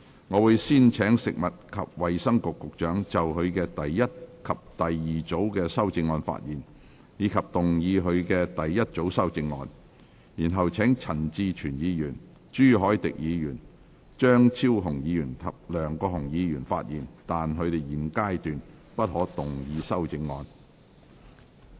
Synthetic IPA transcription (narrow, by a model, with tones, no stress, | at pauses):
ŋɔː˨˧wuː˨˧jsiː˥nt͡ʃʰɛː˨˥ŋsɪ˨k̚mɐ˨t̚kʰɐ˨p̚wɐ˨jsɐ˥ŋkʊ˨kːʊ˨k̚t͡ʃœː˨˥ŋt͡sɐ˨wɦɵ˨˧ɥkɛː˧t̪ɐ˨jːɐ˥t̚kʰɐ˨p̚t̪ɐ˨jːiː˨t͡so˨˥wkɛː˧sɐ˥wt͡sɪ˧ŋːɔː˧nfa̰ː˧t̚jiː˨˩n | jiː˨˧kʰɐ˨p̚t̪ʊ˨ŋjiː˨˧ɦɵ˨˧ɥkɛː˧t̪ɐ˨jːɐ˥t̚t͡so˨˥wsɐ˥wt͡sɪ˧ŋːɔ̰ː˧n | jiː˨˩nɦɐ˨wt͡sʰɛː˨˥ŋt͡sʰɐ˨˩nt͡siː˧t͡ʃʰyː˨˩njiː˨˧jyː˨˩n | t͡ʃyː˥˩ɦɔː˨˥jt̪ɪ̰˨k̚jiː˨˧jyː˨˩n | t͡ʃœː˥ŋt͡sʰiː˥wɦʊ˨˩ŋjiː˨˧jyː˨˩nt̪ʰɐ˨p̚lœː˨˩ŋkɔː˧ɦʊ˨˩ŋjiː˨˧jyː˨˩nfa̰ː˧t̚jiː˨˩nt̪aː˨nɦɵ˨˧ɥt̪e˨jjiː˨˩nkaː˥jt̪yː˨n | pɐ˥t̚hɔː˨˥t̪ʊ˨ŋjiː˨˧sɐ˥wt͡sɪ˧ŋːɔː˧n